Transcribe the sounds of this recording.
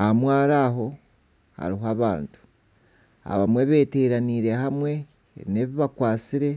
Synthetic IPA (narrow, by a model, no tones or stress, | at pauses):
ahamwaːɾaːɦo̞ | ha̰ɾiɦoaβa̰ːntu̥ | a̰βamwe̞βe̞ːteɾaniɾe̞hamwe̞̰ː | ine̞βiβakwaːt͡siɾe̞